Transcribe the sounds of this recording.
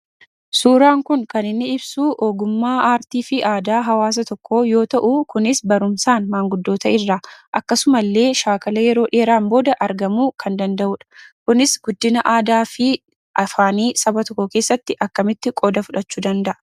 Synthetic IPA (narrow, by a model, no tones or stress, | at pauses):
suːɾaːŋkʊŋkɐnɪnːɪɪbsuːʔo̞ːɡʊmːaːaːɾt̪iːfɪʔaːd̪aːɦɐwaːs̬ɐt̪ɔkʰːoːjo̞ːt̪ɐʔukʊnɪsbɐɾʊmsaːnmaːŋɡʊd̪ːo̞ːt̪ɐʔɪrːaʔɐkːɐsʊmɐlːe̞ːʃaːkɐlɐjɛɾo̞ːᶑe̞ːɾaːmbo̞ːd̪ɐʔɐɾɡɐmuːkʰɐnd̪ɐnd̪ɐʔʊᶑɐ̥kʊnɪsɡʊd̪ːɪnɐʔaːd̪aːfɪ | ʔɐfaːniːsɐbɐt̪ɔkːɔke̞ːsːɐt̪ːɪʔɐkːɐmɪt̪ːɪkʼɔd̪ɐfʊᶑɐt͡ʃːuːd̪ɐnd̪ɐʔɐ